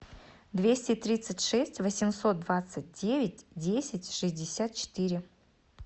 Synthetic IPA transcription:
d̪vʲesʲtʲɪt̪ɾʲit̪sɨtʲʂɛsʲtʲvəsʲɪmso̞t̪̚d̪vat̪sɨt̚ʲdʲevʲɪtʲdʲesʲɪtʲʂɨzʲdʲɪsʲat̪̚t͡ɕɪ̥t̪ɨɾʲɪ

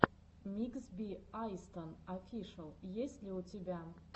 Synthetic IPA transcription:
mʲiksbʲiajst̪ʰɐnafʲiʂɐlˠjesʲlʲiutʰebʲæ

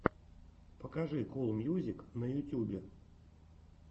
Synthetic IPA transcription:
pəkɐʐɨkolˠmʲjuzʲɪknəjʊtʲubʲɪ

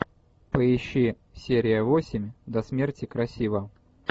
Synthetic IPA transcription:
pəɪɕːi | sʲeɾʲɪjəvosʲɪmʲd̪ɐsmʲertʲɪkɾɐsʲivə

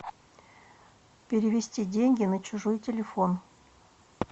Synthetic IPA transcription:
pʲɪɾʲɪvʲɪsʲtʲidʲenʲɡʲɪnət͡ɕʊʐojtʲɪlʲɪfon

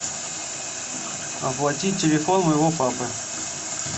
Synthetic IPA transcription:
ɐ̰plˠɐtʲitʲːɪlʲɪfonməjɪvopapɨ

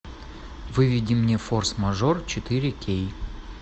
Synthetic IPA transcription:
vɨvʲɪdʲɪmnʲeforsmɐʐort͡ɕɪt̪ɨɾʲɪkʲej

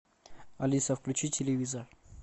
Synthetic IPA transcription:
ɐlʲisəfklʲʉt͡ɕitʲʰɪlʲɪvʲizər

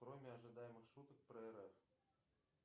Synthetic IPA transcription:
kɾomʲiɐʐɨd̪ajɪmɨxʂut̪ək̚pɾəɛɾɛf

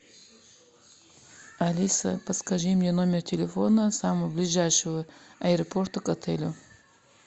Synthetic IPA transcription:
ɐlʲisə̰pəskɐʐɨmnʲenomʲɪrtʲɪlʲɪfo̞nəsaməvəblʲɪʐajʂɨvəɐɪɾɐport̪əkɐt̪ʰɛlʲʊ

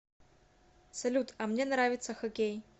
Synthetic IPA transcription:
sɐlʲut̪ɐmnʲɛnɾavʲɪt̪səxɐkʲej

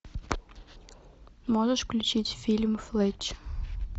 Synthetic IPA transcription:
mɔʐəʂfklʲʉt͡ɕitʲfʲilʲmflˠɛt͡ɕ

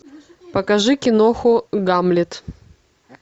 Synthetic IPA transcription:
pɐkɐʐɨkʲɪnoxʊɡamlʲɪt̪

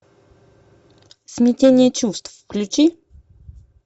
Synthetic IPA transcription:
smʲit̪ʲɛnʲiɛt͡ʃust̪vfklʲut͡ʃi

